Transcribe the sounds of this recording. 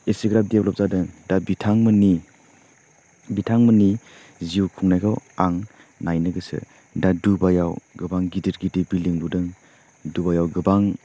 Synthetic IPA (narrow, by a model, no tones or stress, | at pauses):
esiɡɾap̚diap̚lɔp̚zadɯŋdabitʰaŋmɯni | bitʰaŋməni | ziukʰuŋnajkʰawaŋ | najnɯɡɯsɯ̰ | dadubajawɡɯbaŋɡidiɾɡidibiliŋludɯŋ | dubajawɡɯbaŋ